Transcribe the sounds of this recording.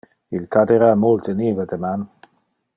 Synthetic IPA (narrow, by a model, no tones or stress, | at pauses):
ilkad̪eɾamolt̪ənivəd̪əman